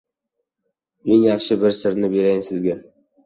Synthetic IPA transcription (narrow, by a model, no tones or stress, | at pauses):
eŋjɑχʃɪbɪɾsɪɾnɪbe̞ɾajnsɪzɡʲa